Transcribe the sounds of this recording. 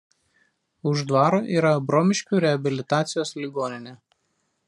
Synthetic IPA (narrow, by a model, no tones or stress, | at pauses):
ʊʒd̪ʋɑːɾoːʔiːɾɐbɾoːmʲɪʃʲkʲuːɾʲɛɐbʲɪlʲɪt̪aːt̪sʲɪjoːslʲiːɡoːnʲɪnʲeː